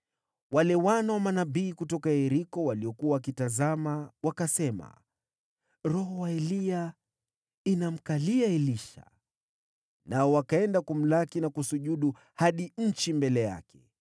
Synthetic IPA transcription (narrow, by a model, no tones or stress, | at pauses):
walɛwanawamanaɓiːkutɔkaɛɾikɔwaliɔkuawakitazamawakasɛma̰ | ɾɔɦɔwaɛlia | inam̩kaliaɛliʃa̰ | naɔwakaɛndakum̩lakinakusuʄuɗu | haɗiɲ̩t͡ʃimbɛlɛja̰kɛ